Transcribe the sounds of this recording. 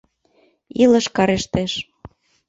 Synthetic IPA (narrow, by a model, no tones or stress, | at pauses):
ilɤ̆ʃkɑɾeʃt̪eʃ